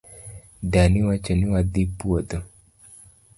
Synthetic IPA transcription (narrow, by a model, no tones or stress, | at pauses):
daniwat͡ʃonɪwad̪ipwod̪o